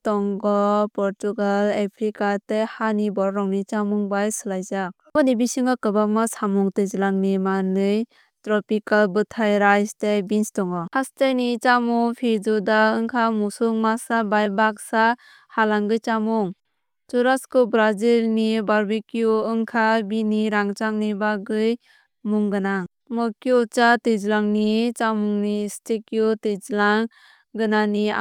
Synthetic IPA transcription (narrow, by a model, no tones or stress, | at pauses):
tɔŋɡɔpɔɾtuɡalepʰɾikatehanibɔɾɾɔŋnit͡ʃamuŋbajsɯlajzak | bɔnibisiŋakɯbamasamuŋtɯjzilaŋnimanɯj | tɾɔpikalbɯtʰajɾajstejbinstɔŋɔhastenit͡ʃamuŋpʰeɾd͡ʒudaɯŋkʰamusuŋmasabajbak̚sa | halaŋɡɯjt͡ʃamuŋ | t͡ʃuɾaskɯbɾazilnibaɾbikijuɯŋkʰabiniɾaŋt͡ʃaŋnibaɡɯj | muŋɡɯnaŋ | mɔkiut͡ʃated͡ʒlaŋnit͡ʃamuŋnistekːiutɯd͡ʒlaŋ | ɡɯnanḭ